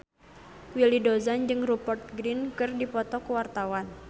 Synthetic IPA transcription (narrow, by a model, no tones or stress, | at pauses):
wilidozand͡ʒɨŋrupɔrt̪̚ɡɾinkɨrdipɔt̪ɔkuwart̪awan